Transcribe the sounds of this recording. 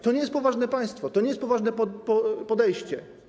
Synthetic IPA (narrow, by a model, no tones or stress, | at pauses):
t̪ɔɲɛjɛst̪̚pɔvaʐnɛpaj̃st̪fɔt̪ɔɲejst̪pɔvaʐnɛpɔpɔpɔd̪ɛjɕt͡ɕɛ